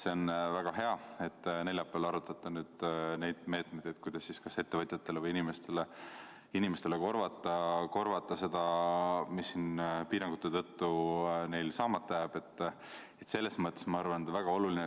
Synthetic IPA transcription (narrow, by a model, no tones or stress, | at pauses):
se̞o̞nvæɡ̥ɑɦe̞ɑe̞t̪ːne̞ljɑpːˑelɑɾut̪ːˑɑt̪ːˑɑnyːd̪̥ne̞jd̪̥me̞ːt̪mejd̪et̪̚kujd̪ɑsːiskɑse̞t̪ːe̞vɤt̪ʲjɑt̪ːˑe̞levɤjinimest̪e̞le | inimest̪e̞le̞ko̞rvɑt̪ːˑɑko̞rvɑt̪ːˑɑse̞d̪̥ɑmisːinpiːɾɑŋɡ̥ut̪ːˑet̪ɤt̪ːune̞jlsɑːmɑt̪ːˑɑjæːbe̞t̪ː | et̪se̞lːe̞smɤt̪ːˑe̞smɑɑrvɑnd̪væɡ̥ɑo̞luline